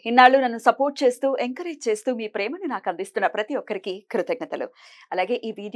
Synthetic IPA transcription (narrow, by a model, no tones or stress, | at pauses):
inːaːɭunɐnːusɐpo̞ːɾʈ̚t͡ʃe̞ːst̪uːʔeŋkɐɾeːd͡ʒt͡ʃe̞ːst̪uːmiːpɾɛːmɐninaːkɐnd̪ist̪unːɐpɾɐt̪iʋɔkːɐɾikikɾut̪ɐɡ̚nɐt̪ɐlṵ | ɐlaːɡe̞ːʔiːʋiːɖ